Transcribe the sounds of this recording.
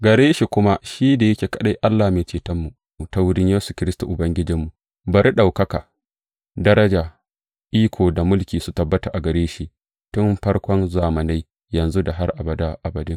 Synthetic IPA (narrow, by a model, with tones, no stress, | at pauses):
ɡɐ˨ɾeː˦ʃi˨kʷʊ˦ma˦ʃiː˦da˨jɐ˦kʲeː˨kɐ˨ɗa˦jʔa˦lːaː˨meː˨t͡ʃeː˨tɐ˦mːu˨ta˦wʊ˦ɽɪ˦ɲjeː˦su˨kʲɪ˦ɾɪ˦stṵ˨ʔʊ˨bɐ˦ŋɡʲɪ˦d͡ʒɪ˦mːu˨ | bɐ˨ɾi˦ɗa˨wkɐ˦ka˨ | dɐ˦ɾɐ˦d͡ʒaː˨ | ʔiː˦kʷʰoː˨da˨mʊ˦lkʲiː˨su˦tɐ˨bːɐ˦ta˨ʔa˨ɡɐ˨ɾeː˦ʃi˦ʔ | tʊ˦mɸɐ˦ɽkʷɔ˦nzaː˨mɐ˨na˦j | jɐ˨nzu˦da˨ɦa˦rʔa˨bɐ˨da˦ʔa˨bɐ˨dʊ˦ŋ